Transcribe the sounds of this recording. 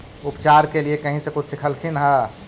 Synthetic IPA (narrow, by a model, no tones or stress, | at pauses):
ʊpt͡ʃaɾkeliekəɦĩsekʊt͡ʃʰsɪkʰəlkʰinɦə̃